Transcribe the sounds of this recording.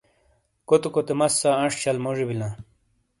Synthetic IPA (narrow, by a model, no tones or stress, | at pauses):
kot̪ukot̪emɐsːaɐʂt͡ɕɐlmoʐibilã